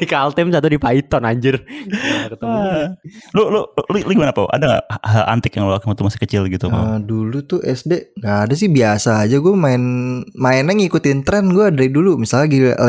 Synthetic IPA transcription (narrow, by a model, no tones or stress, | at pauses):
ikaalt̪ɛmsat̪̬udipait̪ɔnaɲd͡ʒɪrakət̪ə | lʊlʊllilʊɡimanapaʔa̰daŋa̰ʔhalʔa̰nt̪ɪkjaŋluakamat̪umasɪ̥kət͡ʃɪlɡit̪uma̰dulut̪ʊʔɛsdeŋɡaːdas̬ɪhbiasaːd͡ʒaɡuamaɪnmaɪnaŋikut̪ɪnt̪ɾɛnɡuadaɾidulumisalaɡḭʔ